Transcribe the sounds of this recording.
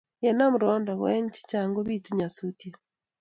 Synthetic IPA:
jɛ˨na˦mu˨ɾɔ˦nda˨ɣwɛ̰˦ɲt͡ʃi̥˦t͡ʃa˨ŋɡo˦βi˦tu˦ɲa˨sutje˨

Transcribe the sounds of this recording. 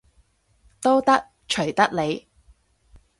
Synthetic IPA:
t̪o˥wt̪ɐ˥k̚ | t͡ʃʰɵ˨˩ɥt̪ɐ˥k̚le˨˧j

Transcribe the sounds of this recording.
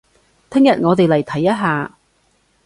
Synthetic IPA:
t̪ʰɪ˥ŋjɐ˨t̚ŋɔː˨˧t̪e˨jlɐ˨˩jt̪ʰɐ˨˥jːɐ˥t̚ɦaː˨˧

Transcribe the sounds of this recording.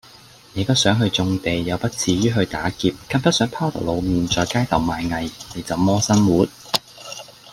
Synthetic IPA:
neː˨˧t̪ɐ˥sœː˨˥ŋɦɵ˧ɥt͡sʊ˧ŋt̪e˨jːɐ˨˧wpɐ˥t̚t͡sʰiː˨˧ɥyː˥ɦɵ˧ɥt̪a̰ː˨˥kiː˧p̚kʰɐ˥npɐ˥tsœː˨˥ŋpʰaː˥t̪ʰɐ̰˨˩lo˨˧wmiː˨˩nt͡ʃɔː˨˩jkaː˥jt̪ʰɐ˨˩wmaː˨jŋɐ˨jne˨˩jt͡sɐ˨wmɔː˥sɐ˥nwuː˨˥t̚

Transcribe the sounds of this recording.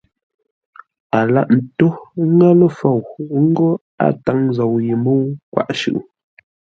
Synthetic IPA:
a˨la̰˦ʔn̩˨to˦ŋa˦lə˦fo˨wŋ̩˦ɡo˦ | a̰˨ta˨˦ŋzo˨wji˨mo˦wkwa̰˦˨ʔʃʉ̰˦˨ʔ

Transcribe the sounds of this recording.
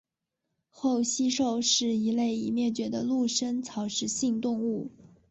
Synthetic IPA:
xo˥˩ʊɕi˥ʂo˥˧ʊʂɻ̩˥˩i˧˥le˥˩ɪi˨˩mjɛ˥˩t͡ɕɥɛ˧˥d̪ə˧lu˥˩ʂə˥nt͡sʰɑ˧˥ʊʂɻ̩˧˥ɕi˥˧ŋt̪ʊ˥˧ŋu˥˩

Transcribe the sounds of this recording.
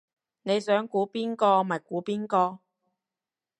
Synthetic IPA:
ne˨˧jsœː˨˥ŋkuː˨˥piː˥nkɔː˧maː˨˩jkuː˨˥piː˥nkɔː˧

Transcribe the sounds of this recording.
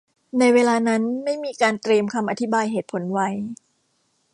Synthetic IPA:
na˧jweː˧laː˧na˦˥nma˥˩jmiː˧kaː˧nt̪ɾi˧əmkʰa˧mʔa˧t̪ʰi˦˥baː˧jɦeː˨˩t̪̚pʰo˩˦nwa˦˥j

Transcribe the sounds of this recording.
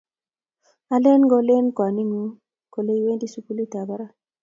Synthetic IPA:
a˨le˦nɡɔ˦le˦nkwa˨ni˦ŋu˦ | ko˨le˦i˦we˦ndi˦su˦pu˦li˦ta˨ba˦ɾa˦

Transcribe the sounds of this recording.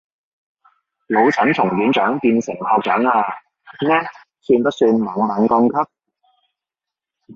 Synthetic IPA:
lo˨˧wt͡sʰɐ˨˥nt͡sʰʊ˨˩ŋkiː˨˥nt͡ʃœː˨˥ŋpiː˧nsɪ˨˩ŋkʰɔː˧k̚t͡ʃœː˨˥ŋaː˧ | nɛː˥ | syː˧npɐ˥t̚syː˧nmɐ˨˩ŋmɐ˨˧˥ŋkɔ˥˧ŋkʰɐ˥p̚

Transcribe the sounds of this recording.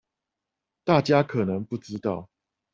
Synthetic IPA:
t̪a˥˨t͡ɕja˦kʰɤ˨˩nə˧˦ŋpu˥˩ʈ͡ʂɻ̩˦t̪ɑ˥˨ʊ

